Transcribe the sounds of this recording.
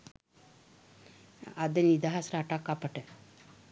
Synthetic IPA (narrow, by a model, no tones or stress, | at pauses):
ad̪ənid̪aɦasɾaʈakːapəʈə